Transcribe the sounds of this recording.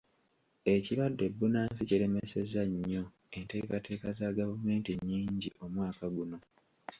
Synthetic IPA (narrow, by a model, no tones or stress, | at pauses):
e̞ciɾwadːe̞bːunaːnsiciɾe̞mese̞zaɲːo̞ | e̞nte̞ːkatʰe̞ːkazaɡavume̞ːntiɲːiːɲɟiʔo̞mwaːkaɡuno̞